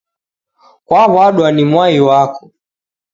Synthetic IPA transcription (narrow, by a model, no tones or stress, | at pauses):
kwaβwaɗuanimwaiwakɔ̥